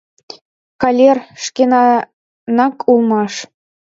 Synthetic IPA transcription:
kɑlʲerʃkenɑ | nɑkʰulˠmɑʃ

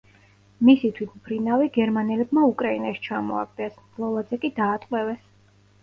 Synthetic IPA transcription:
misit̪ʰwit̪ʰmpʰɾinaviɡɛɾmanɛlɛbmaukʼɾainaʃi̥t͡ʃʰamɔ̰a̰ɡ̚d̪ɛs | lˠɔlˠad̪zɛkʼid̪aːt̪ʼqʼwɛvɛs

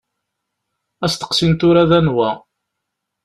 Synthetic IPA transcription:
æst̪ə̥qsint̪ʊɾæðænwæ

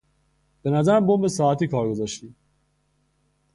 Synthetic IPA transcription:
b̥enæzæɾæmbombesɒːæt̪iːkʰɒːɾɡozɒʃt̪iː

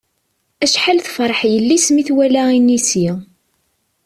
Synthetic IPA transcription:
æʃħalθfɾˤəħjəlːismiθwælæinisi

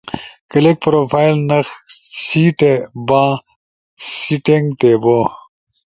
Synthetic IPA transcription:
kɐlek̚pɾoːpʰaːjlnɐxsiːʈebãː | siʈeŋɡt̪ebo

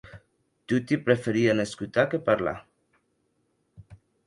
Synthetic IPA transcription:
t̪ut̪ipɾefeɾianeskut̪akepaɾla̰

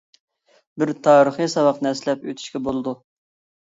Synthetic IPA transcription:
bɪɾt̪ʰɑːɾəχɨsɑwɑqnɛslɛpøt̪ʰy̥ʃkʲɛbolˠɨd̪u

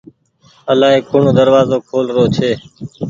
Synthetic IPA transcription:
əlaːɦeːkʊɳoːd̪əɾʋaːzoːkʰoːlɾoːt͡ʃʰeː

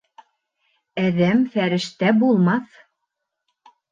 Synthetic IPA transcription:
æðæmfæɾɘ̆ʃt̪æbulˠmɑθ

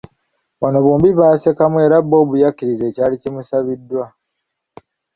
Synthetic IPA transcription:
wano̞βoːmbiβaːse̞kamue̞ɾabːo̞ːβujakːiɾize̞ːcaːlicimusaβidːwa

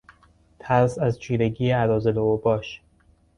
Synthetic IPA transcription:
t̪ʰæɾsæzt͡ʃʰiːɾeɡiːeæɾɒːzeloobɒːʃ

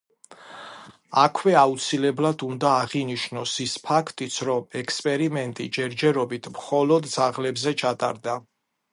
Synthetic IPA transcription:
akʰwɛaut̪sʰilɛblad̪und̪aːʁiniʃnɔsispʰakʰt̪ʼit̪sʰɾɔmɛkʰspʼɛɾimɛnt̪ʼḭd͡ʒɛɾd͡ʒɛɾɔbit̪ʰmχɔlɔd̪d̪zaʁlɛbzɛt͡ʃʰat̪ʼa̰ɾd̪a

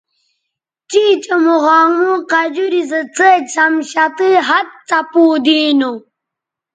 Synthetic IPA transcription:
t͡ɕiːt͡ɕəmuɣaːŋuqad͡ʑuɾizət͡sət͡samɕat̪iɦat̪̚t͡sapuːd̪inu

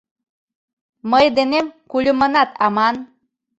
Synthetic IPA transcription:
məjd̪enemkulʲumɤnɑt̪ɑmɑn

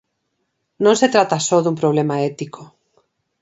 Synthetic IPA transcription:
nõŋset̪ɾat̪asoðumpɾoβ̞lemaɛt̪iko

